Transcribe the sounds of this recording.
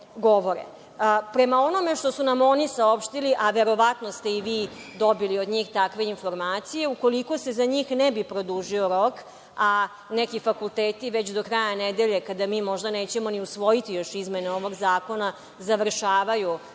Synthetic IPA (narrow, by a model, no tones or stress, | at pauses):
ɡo̞ʋo̞ɾḛ | pɾe̞mao̞no̞me̞ʃt̪o̞sunamo̞nisao̞pʃt̪iliʔaʋe̞ɾo̞ʋat̪no̞st̪e̞iʋiːd̪o̞biliod̪ɲiːxt̪akʋe̞info̞ɾmaːt̪sije̞uko̞liko̞se̞zaɲiːxnebipɾo̞d̪uːʒio̞ɾo̞k | a | nekifakult̪eːt̪iʋet͡ɕd̪o̞kɾajaned̪eʎe̞kad̪amiːmo̞ʒd̪aneːt͡ɕe̞mo̞niusʋo̞jit̪ijo̞ʃizmeneoʋo̞ɡzaːko̞na | zaʋr̩ʃaːʋaju